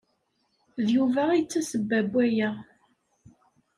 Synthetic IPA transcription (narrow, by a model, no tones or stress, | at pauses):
ðjuvæit͡sːæsəbːæbʷːæjæ